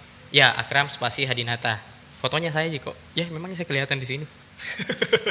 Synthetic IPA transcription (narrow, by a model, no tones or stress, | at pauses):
jaa̰kɾamspasiɦadinat̪a | fot̪oɲas̬ajad͡ʒiko̰ʔ | jamemaŋɲasajakəliɦat̪andis̬ini